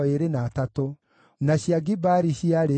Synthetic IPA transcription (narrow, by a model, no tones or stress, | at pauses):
eɾenaːtato | naɕjaɡibaɾiɕiaɾe